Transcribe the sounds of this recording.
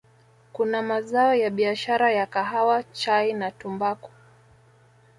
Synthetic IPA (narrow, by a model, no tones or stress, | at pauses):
kunamazaɔjaɓiaʃaɾajakaɦawat͡ʃainatumbakɔ̥